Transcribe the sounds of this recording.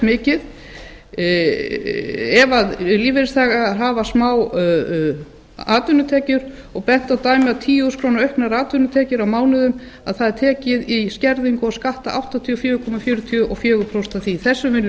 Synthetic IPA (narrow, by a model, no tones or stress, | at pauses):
mɪːcɪð | ɛvaðliːvɪɾɪst̪ʰaːɣaɦaːvasmaːw | aːt̪ʏnːʏt̪ʰɛːcʏɾ | ɔɣpɛn̥t̪awt̪aːjmɪawt̪ʰiːjuskʰɾoːwnaɾœɥhknaɾaːt̪ʏnʏt̪ʰɛːcɪɾawmaːwnʏðʏm | aðθaðɛɾ̥t̪ʰɛːcɪðiscɛɾðiŋkʊaskaht̪aʔawht̪at̪ʰiɔfjœːkʰɔmafjʏːɾʏt̪ʰiʏʔɔɣfjœːɣʏpʰɾowst̪aθiθɛsːʏvɪn